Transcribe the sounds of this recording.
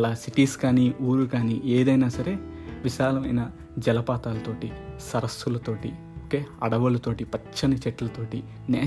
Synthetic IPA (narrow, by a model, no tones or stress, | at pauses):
ɐlaːsiʈiːskaːniuːɾukaːnieːd̪ɐjnaːsɐɾe̞ː | ʋiʃaːlɐmɐ̰jnɐ | d͡ʒɛlɐpaːt̪aːlɐt̪o̞ːʈisɐɾɐst̪ulɐt̪o̞ːʈi | oke̞ːɐɽɐʋɐlɐt̪o̞ːʈipɐt͡ʃːɐnɐt͡ʃɛʈːɐlɐt̪o̞ːʈi | nɛː